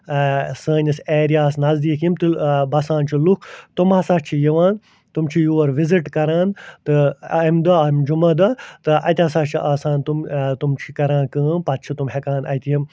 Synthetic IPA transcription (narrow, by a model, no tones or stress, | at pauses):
səːnʲɐseːɾjaːsnɐzd̪iːkjimt̪ɨbɐsãːnt͡ʃʰilukʰt̪umaːsaːt͡ʃʰijiʋaːn | t̪umt͡ʃʰijuːɐɾʋiziʈkɐɾãːnt̪ɨmd̪ɐɐimd͡ʒumɐd̪ɐt̪ɨʔɐ̰t̪ʲaːsaːt͡ʃʰiʔaːsaːnt̪umt̪umt͡ʃʰikɐɾãːnkə̃ːnpɐt̪̚t͡ʃʰit̪umɦekaːnɐ̰t̪ijim